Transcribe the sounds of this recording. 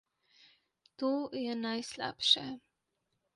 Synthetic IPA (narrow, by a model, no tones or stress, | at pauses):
t̪uːjɛnajsla̰pʃɛ